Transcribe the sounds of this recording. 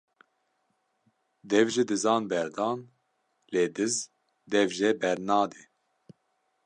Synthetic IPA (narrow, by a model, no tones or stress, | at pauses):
d̪ɛvʒid̪ɨzɑːnbɛɾd̪ɑːn | leːd̪ɨz | d̪ɛvʒɛbɛɾnɑːd̪i